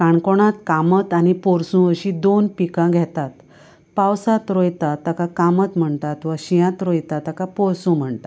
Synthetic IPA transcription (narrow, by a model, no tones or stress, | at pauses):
kaɳkoɽ̃at̪kamət̪anipoɾsũʋəɕid̪onpikãɡʱɛt̪at̪ | pawsat̪ɾojt̪at̪ːəkakamət̪m̤əɳt̪at̪ʋəɕijãt̪ɾojt̪at̪ːəkapɔɾsũm̤əɳt̪a